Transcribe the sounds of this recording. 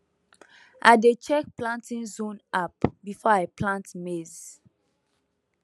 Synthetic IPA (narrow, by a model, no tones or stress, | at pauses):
ʔadet͡ʃɛk̚plãntʰĩnzõnapbifɔaplãntmez